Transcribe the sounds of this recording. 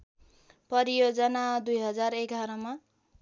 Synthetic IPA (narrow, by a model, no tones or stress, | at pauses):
pʌɾijod͡zʌnad̪ujɦʌd͡zareɡʱaɾʌma